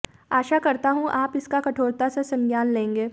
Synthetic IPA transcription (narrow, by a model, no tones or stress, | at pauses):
aːʃakɐɾt̪aɦũʔaːpɪskakɐʈʰoːɾt̪asesɐ̃ŋɡjaːnlẽːŋɡeː